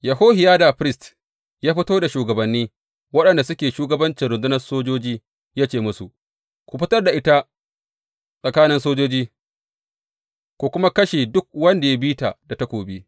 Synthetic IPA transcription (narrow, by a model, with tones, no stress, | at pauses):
ja˨ɦoː˦ɦɪ˨jaː˦da˨ɸɾɪ˦˨st | jaː˦ɸɪ˦toː˦da˨ʃuː˨ɡɐ˨bɐ˨nːiː˦ | wɐ˦ɗɐ˨nda˨sʊ˦kʲeː˨ʃuː˦ɡɐ˦bɐ˦nt͡ʃɪ˨nɾʊ˨nzʊ˦nɐ˦rsoː˦d͡ʒoː˦d͡ʒiː˦ | jaː˦t͡ʃeː˨mʊ˦su˨ | kʷu˨ɸɪ˦tɐ˦rda˨ʔɪ˦ta˦ | sʼɐ˨kaː˦nɪ˦nsoː˦d͡ʒoː˦d͡ʒiː˦ | kʷu˨kʷʊ˦ma˦kɐ˦ʃeː˨dʊ˦k̚wɐ˦nda˨ja˦biː˦ta˨da˨ta˦kʷoː˨bi˦